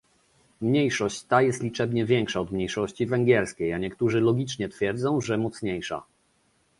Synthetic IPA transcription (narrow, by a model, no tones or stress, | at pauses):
mɲejʂɔɕt͡ɕt̪ajɛst̪lʲit͡ʂɛbɲɛvʲjɛŋkʂaɔd̪mɲejʂɔɕt͡ɕivɛŋɡʲɛɾskʲejaɲɛkt̪uʐɘlɔɡʲit͡ʂɲɛt̪fʲjɛɾd̪zɔ̃w̃ʐɛmɔt̪sɲejʂa̰